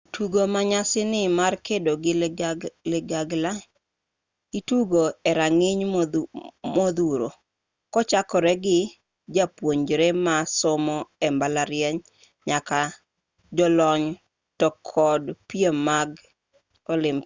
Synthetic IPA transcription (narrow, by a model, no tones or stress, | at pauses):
tʰuɡomaɲasɪnɪmarkedoɡɪ | lɪɡaɡla | ituɡoɛɾaŋɪɲ | mod̪uɾo | kɔt͡ʃakɔɾɛɡɪ | d͡ʒapwoɲd͡ʒɾɛmasɔmɔɛmbalaɾjɛɲ | ɲaka | d͡ʒɔlɔɲ | tɔkʰɔdpjemːaɡ | ɔlɪm